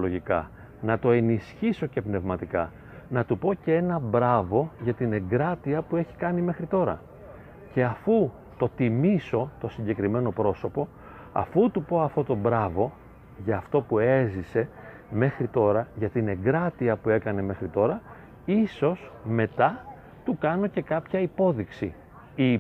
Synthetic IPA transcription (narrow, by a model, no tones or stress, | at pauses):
loʝikɐ | nɐt̪o̞e̞nisçiso̞ce̞pne̞vmɐt̪ikɐ | nɐt̪upo̞cee̞nɐbɾɐvo̞ʝɐt̪ine̞ɡɾɐt̪iɐpue̞çi̥kɐnime̞xɾit̪o̞ɾɐ̰ | ce̞ɐfu | t̪o̞t̪imiso̞t̪o̞siɲɟe̞kɾime̞no̞pɾo̞so̞po̞ | ɐ̰fut̪upo̞ɐft̪o̞t̪o̞bɾɐvo̞ | ʝɐːft̪o̞pue̞zise̞ | me̞xɾit̪o̞ɾɐʝɐt̪ine̞ɡɾɐt̪iɐpue̞kɐne̞me̞xɾit̪o̞ɾɐ | iso̞sme̞t̪ɐ | t̪ukɐno̞ce̞kɐpçɐipo̞ðiksḭ | i